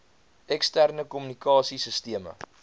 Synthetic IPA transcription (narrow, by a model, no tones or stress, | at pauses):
ɛkstærnəkɔmynikʰɑːsisəstiəmə̰